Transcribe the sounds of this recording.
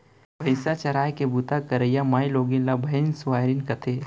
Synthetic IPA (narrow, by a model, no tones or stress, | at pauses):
bʱɐɪsat͡ʃɐɾaːjkebut̪akɐɾəjamaːjloːɡinlabʱɐɪnsʊʋaːɾinkɐt̪ʰeː